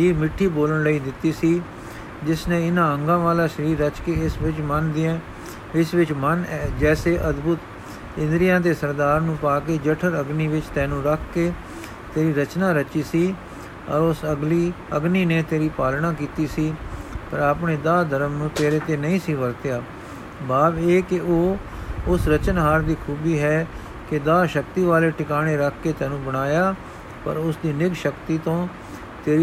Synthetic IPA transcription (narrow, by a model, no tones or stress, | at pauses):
d͡ʒiːmɪʈʰːiːboːləɳləiːd̪ɪt̪ːiːsiː | d͡ʒɪsnẽːɪnãːəŋɡãːʋaːlaːʃəɾiːɾːət͡ʃkeːɪsʋɪt͡ʃmənd̪ɪɛ̃ː | ɪsʋɪt͡ʃmənɛːd͡ʒɛːseːʔəd̪bʊt̪ | kɪ̃nd̪ɾɪjãːt̪eːsəɾd̪aːɾnũːpaːkeːd͡ʒəʈʰəɾəɡniːʋɪt͡ʃt̪ɛ̃ːnũːɾəkʰkeː | t̪eːɾiːɾət͡ʃnaːɾət͡ʃiːsiː | ɔ̰ɾʊsəɡliː | əɡniːneːt̪eːɾiːpaːlnãːk̬iːt̪iːsiːpəɾaːpɳeːd̪aːd̪ʱəɾəmnũːt̪eːɾeːt̪eːnəĩːsiːʋəlt̪jaː | baːbeːkɪoː | ʊsɾət͡ʃənɦaːɾd̪iːkʰuːbiːɦɛː | kɪd̪aːʃək̚t̪iːʋaːleːʈɪkaːɽeːɾəkʰkeːt̪ɛ̃ːnũːbəɽ̃aːjaː | pə̰ɾʊsd̪iːnɪkʃəkt̪iːt̪õː | t̪eːɾi